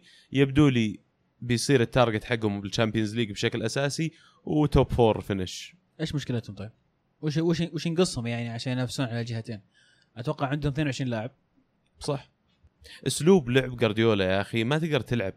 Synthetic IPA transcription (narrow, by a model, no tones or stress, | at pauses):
jɪbd̪uːli | bɪjsˤiːɾɪt̪ːɑɾˤɡɪt̪ħaɡːhʊmbɪlt͡ʃampjanzliːɡbʃaklʔasaːsi | wt̪opfoːɾˤfɪnɪʃ | ʔeːʃmʊʃkɪlat̪hʊmt̪ˤɑːb | wɪʃwɪʃwɪʃnɡɨsˤːhʊmjaʕniʕaʃaːnjnafsuːnʕalald͡ʒɪɦat̪eːn | ʔat̪wɑqːɑʕɪnd̪hʊmθneːnwʊʕɪʃɾiːnlaːʕɪb̚ | sˤɑħ | ʔʊsluːblʊʕbɡɑɾˤd̪joːlajaʔaximat̪ɪɡ̚d̪ɑɾˤt̪ɪlʕab̚